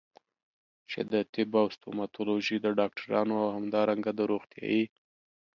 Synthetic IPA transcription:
t͡ʃɪ̰d̪ət̪ɪbawst̪omat̪oloʒid̪əɖɑk̚ʈʰaɾɑnoawhamd̪ɑɾaŋɡad̪əɾoɣt̪jɑ̰ji

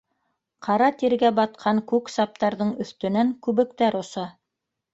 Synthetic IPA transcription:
qʰɑɾɑt̪iɾɡæbɑt̪̚qʰɑŋkʉksɑp̚t̪ɑɾðɤɴɵ̆θt̪ɵ̆næŋkʉβɘ̆k̚t̪æɾŏsɑ

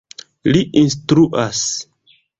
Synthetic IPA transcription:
liʔinstɾuʔas

